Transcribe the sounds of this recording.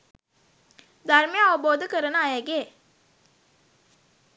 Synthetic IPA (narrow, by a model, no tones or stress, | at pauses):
d̪ʱaɾmejaɐʋəboːd̪əkəɾənəajaɡeː